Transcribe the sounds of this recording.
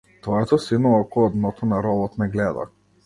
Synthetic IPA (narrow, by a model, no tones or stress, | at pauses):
t̪vɔɛt̪ɔsinɔɔkɔɔd̪nɔt̪ʰɔnaɾɔlˠɔt̪nɛɡlɛd̪a̰